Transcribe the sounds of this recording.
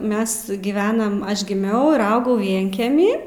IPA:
ˈmʲɛs ɡʲɪˈʋʲæːnɐm ˈɐʃ ɡʲɪˈmʲɛʊ ɪr ˈɐʊɡɐʊ ˈʋʲiɛŋʲkʲɛmʲiː

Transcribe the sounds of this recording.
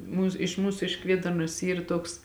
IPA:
ˈmuːs ɪʃ ˈmuːsʊ ɪʃ ˈkʋʲeːdɐrnoːs ˈiːr ˈtoːks

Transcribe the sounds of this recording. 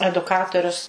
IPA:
ɛdʊˈkɑːtoːrʲʊs

